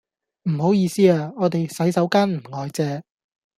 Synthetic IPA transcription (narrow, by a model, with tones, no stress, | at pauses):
m̩˨˩ho˨˥wjiː˨˧siː˥aː˨˧ŋɔː˨˧t̪e˨jsɐ˨˥jsɐ˨˥wkaː˥nm̩˨˩ŋɔː˨˧jt͡sɛː˧